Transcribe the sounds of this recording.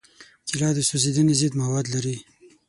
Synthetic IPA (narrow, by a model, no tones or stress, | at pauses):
kilɑd̪əsozed̪ənezid̪mawɑd̪laɾi